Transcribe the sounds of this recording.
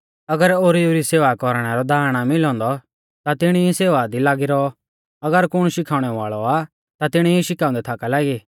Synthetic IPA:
ɐɡəɾoːɾiuɾiseːʋakɔɾɽ̃ɛɾɔd̪ʱaːɾɽ̃amɪlɔ̃ːnd̪ɔ | t̪at̪ɪɽ̃iiseːʋad̪ilaːɡiɾɔ | ɐɡəɾkʊɽ̃ʃɪkʰaːʊ̃ɽ̃ɛʋaːɭɔa | t̪at̪ɪɽ̃iiʃɪkãːʊ̃nd̪ɛt̪ʰaːkalaːɡi

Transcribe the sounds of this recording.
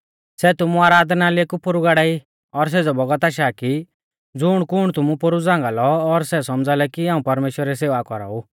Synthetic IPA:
sɛt̪ʊmuaːɾaːd̪naliekupʊɾuɡaɽaːi | ɔɾs̬ed͡zɔbɔɡət̪aːʃ̬aːki | d͡zʊɽ̃kʊɽ̃t̪ʊmũpʊɾud͡zãːŋɡalɔːɾsɛsɔmd͡zalɛkiãːũpɐɾmeːʃwəɾɛs̬eːʋakɔɾa̰ːu

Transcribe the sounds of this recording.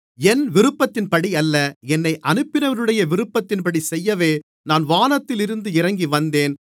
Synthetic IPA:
ɛnʋɪɾɯpːɐt̪ːɪnpɐɽiɐlːɐɛnːɐɪʔɐnɯpːɪnɐʋɐɾɯɽɐjɐʋɪɾɯpːɐt̪ːɪnpɐɽisɛjːɐʋeː | naːnʋaːnɐt̪ːɪlɪɾɯnd̪ɯɪɾɐŋɡiʋɐnd̪eːn

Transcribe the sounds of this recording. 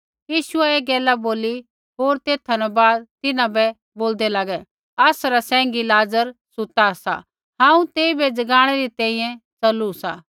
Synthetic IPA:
jiːʃʊɛeːɡɛːlaboːli | ɦoːɾt̪eːt̪ʰanɛbaːd̪̚t̪ɪnãbɛ | boːld̪ɛlaɡɛ | ɐsɾasɛ̃ːŋɡilaːzəɾsʊt̪asa̰ | ɦãːũt̪eːibɛd͡zɐɡaːɽ̃ɛɾit̪ɛ̃ːĩːjɛ̃t͡sɐlusaː

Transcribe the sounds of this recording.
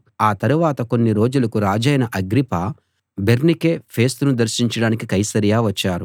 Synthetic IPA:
aːt̪ɐɾuʋaːt̪ɐko̞nːiɾo̞ːd͡ʒulɐkuɾaːd͡ʒɐjnɐʔɐɡɾipaː | be̞ɾnikeːpʰe̞ːst̪unud̪ɐɾʃiɲt͡ʃɐɽaːnikikɐjsɐɾijaːʋɐt͡ʃːaːɾu

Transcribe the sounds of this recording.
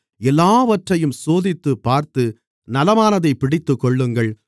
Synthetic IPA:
ɛlːaːʋɐʈrɐjɯmsoːðɪt̪ːɯpːaːɾt̪ɯ | nɐlɐmaːnɐðɐɪpːɪɽɪt̪ːɯkːɔɭːɯŋɡɐɭ

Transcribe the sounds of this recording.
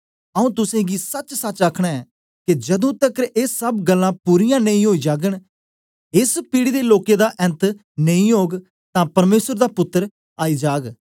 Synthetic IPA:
əũːt̪ʊsẽːɡiːsət͡ʃsət͡ʃakʰɽ̃aːɛː | ked͡ʒɐd̪õːt̪əkəɾʔeːsːəbɡəlːãːpuːɾijãːnəĩːɦoːiːd͡ʒaːɡəɳ | ɪspiːɽiːd̪eːloːked̪aːʔɛ̃nt̪ | nəĩːɦoːɡ | t̪ãːpɐɾmeːsəɾd̪aːpʊt̪ːəɾ | aːiːd͡ʒaːɡ

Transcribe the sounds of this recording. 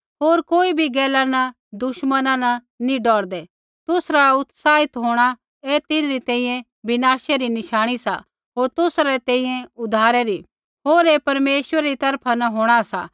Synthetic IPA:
ɦoːɾkoːibʱiɡɛːlanɐ | d̪ʊʃmənãnɐ | nĩɖɔːɾd̪ɛ | t̪ʊsɾaʊt̪saːɦɪt̪ɦoːɽ̃a | ɛt̪ɪnɾit̪ɛ̃ːĩjɛ̃ | bɪnaːsɛɾinɪʃaːɽ̃isa̰ | ɦoːɾt̪ʊsɾɛt̪ɛ̃ːĩjẽʊd̪ʱaːɾɛɾi | ɦoːɾɛpɐɾmeːʃwəɾɛɾit̪ɐɾpʰanɐɦoːɽ̃asa̰

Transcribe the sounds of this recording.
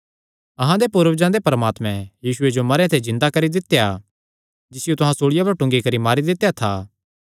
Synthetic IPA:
ɐɦãd̪epuːɾəʋd͡ʒãd̪epɐɾəmaːt̪mɛ̃jiːsʊed͡ʒomɐɾjãt̪ʰed͡ʒɪ̃nd̪akɐɾid̪ɪt̪ːeja | d͡ʒɪsɪjot̪ʊɦãsoːɭɪjapɐɾʈʊ̃ŋɡikɐɾimaːɾid̪ɪt̪ːejat̪ʰaː

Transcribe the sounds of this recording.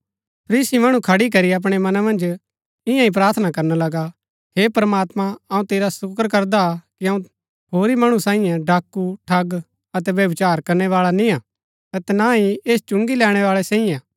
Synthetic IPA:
pʰɐɾiːsimɐɽ̃ũkʰɐɽik̬ɐɾiɐp̬ɽ̃ɛmɐnamɐ̃nd͡ʒ | ɪ̃jãĩp̬ɾaːɾt̪ʰnakɐɾnalɐɡa | heːpɾəmaːt̪mãɐũt̪eːɾasʊkəɾkɐɾd̪akiɐ̃ũ | hoːɾimɐɽ̃ũsãːĩjɛ̃ɖaːkːuʈʰɐɡ | ɐt̪ɛʋjɐʋɪt͡ʃaːɾkɐɾñɛʋaːɭanĩa | ɐt̪ɛnaɦieːst͡ʃʊ̃ŋɡilɛːɽ̃ɛʋaːɭɛsɛ̃ːĩjɛ̃

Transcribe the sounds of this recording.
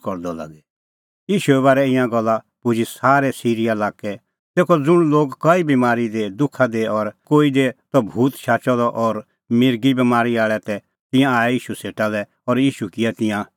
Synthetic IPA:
kɔɾd̪ɔla̰ːɡɛ | jiːʃuɛβaːɾɛɪ̃jãɡɔlːa | pʊd͡ʒisaːɾɛsiːɾijalaːkɛ | t̪eːkɔd͡zʊɽ̃loːɡkɐibimaːɾid̪ed̪ʊkʰːad̪eɔɾkoːid̪et̪ɔbʱuːt̪ʃaːt͡ʃɔd̪ɔʔɔɾ | mɪɾɡibimaːɾiaːɭɛt̪ɛ | t̪ɪ̃jãaːɛjiːʃuseːʈalɛ | ɔɾjiːʃukɪɛt̪ɪ̃jã

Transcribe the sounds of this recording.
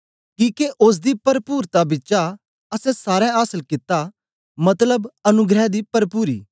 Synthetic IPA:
kiːkeʔʊs̬d̪iːpɐɾpuːɾt̪abɪt͡ʃa | ɐsɛ̃saːɾɛ̃aːsəlkɪt̪ːa | mɐt̪ləbɐnʊɡɾɛd̪iːpɐɾpuːɾḭː

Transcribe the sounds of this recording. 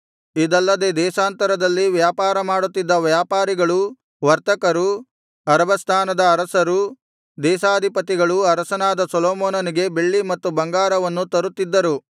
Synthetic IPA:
id̪ɐlːɐd̪ed̪ɛːʃaːnt̪ɐɾɐd̪ɐlːiʋjaːpaːɾɐmaːɽut̪ːid̪ːɐʋjaːpaːɾiɡɐɭu | ʋɐɾt̪ɐkɐɾu | ɐɾɐbɐst̪ʰaːnɐd̪ɐːɾɐsɐɾu | d̪ɛːʃaːd̪ʱipɐt̪iɡɐɭuɐɾɐsɐnaːd̪ɐsɐloːmoːnɐniɡe̞beɭːimɐt̪ːubɐŋɡaːɾɐʋɐnːut̪ɐɾut̪ːid̪ːɐɾu

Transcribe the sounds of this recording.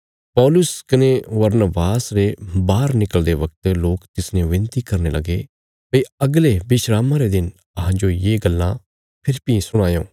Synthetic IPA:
pɔːlʊskɐneʋɐɾnəbaːsɾebaːɾnɪkəld̪eʋɐk̚t̪loːkt̪ɪsnẽʋɪ̃nt̪ikɐɾnelɐɡe | pɐiɐɡlebɪʃɾaːmãɾed̪ɪn | ɐɦãd͡ʒojeːɡɐlːã̰ | pʰɪɾpĩsʊɽ̃aːjõː

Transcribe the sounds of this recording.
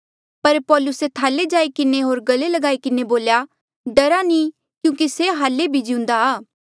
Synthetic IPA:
pɐɾpɔːlʊset̪ʰaːled͡ʒaːikɪneɦoːɾɡɐlelɐɡaːikɪneboːlja | ɖɐɾani | kjũːkiseɦaːlːebʱid͡ʒɪʊ̃nd̪aaː

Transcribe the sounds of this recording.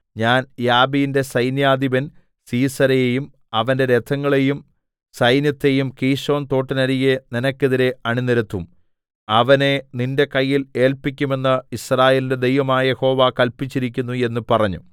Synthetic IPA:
ɲaːnjaːbijinde̞sɐjnjaːd̪iʋɐn | siːsɐɾɐjejum | ɐʋɐnde̞ɾed̪ʰɐŋːɐɭe̞jum | sɐjnjɐt̪ːe̞jumkiːʂo̞ːnt̪o̞ːʈːɐnɐɾijeninɐkʲːeðiɾe̞ɐɳiniɾɐt̪ːum | ɐʋɐne̞ninde̞kɐjːile̞ːlpik̬ʲːume̞nːɐisraːjeːlinde̞d̪e̞jʋɐmaːjɐjeho̞ːʋaːkɐlpit͡ɕːiɾikʲːunːue̞nːupɐrɐɲːṵ

